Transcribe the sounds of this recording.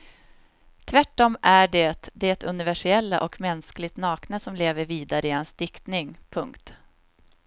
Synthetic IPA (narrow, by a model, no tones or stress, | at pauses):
t̪ʰvæʈːɔmʔæɖɛt̪d̪ɛɛt̪ʰɵnɪvæʂɪɛlːa̰ʔɔkmɛnsklɪɡt̪nɑːknəsɔmleːvəɾviːd̪aɾəɪhansd̪ɪkt̪nɪŋpʰɵŋkt̪